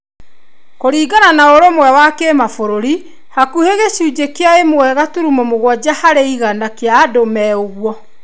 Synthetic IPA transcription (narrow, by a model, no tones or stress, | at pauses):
koɾiːɡananaoɾomwɛwakemafoɾoɾi | hakuheɣeɕuːd͡ʒekeaemowɛɣatuɾumɔmoɣwɔd͡ʒahaɾeiɣanakeaːdomɛoɣwɔ